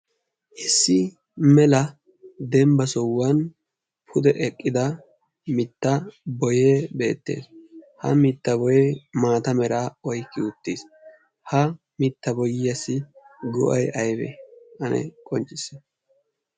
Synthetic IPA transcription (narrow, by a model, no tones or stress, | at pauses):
ʔɪsːɪ | mɛlɐ | d̪ɛmbɐsɔwːɐn | pʰʊd̪ɛʔɛkʼːɪd̪ɐ | mɪt̪ːɐbɔjeːbe̞ːt̪ːe̞̰ːshɐ̰mɪt̪ːɐbɔjemaːt̪ɐmɛɾaːɔjkːɪʊt̪ːis | hɐ | mɪt̪ːɐbɔjɪjɐsɪɡɔ̰ʔɐjɐjbɛ̰ʔɐnʔɛ̰kʼɔnt͡ʃʼːɪsːɛ